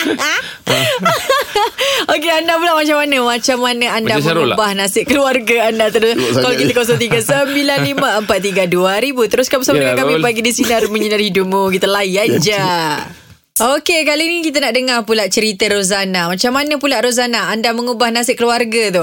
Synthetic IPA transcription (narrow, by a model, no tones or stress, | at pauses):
okeandapulaʔmat͡ʃamanəmat͡ʃamːanəandaməubahnasɪʔkəluarɡaandat̪əɾʊskalokit̪əkos̬ɔŋt̪iɡasəmbilanlimaəmpat̪ːiɡaduaɾibut̪əɾʊskamusamadəkakamipaɡidisinarmə̃ɲənarhidumukit̪alajand͡ʒa | okekalinikit̪̬ənaʔdəŋarpulaʔt͡ʃəɾit̪əɾozanamat͡ʃamːanəpulaʔɾoz̬anaandaməŋubahnasɪʔkəluarɡat̪o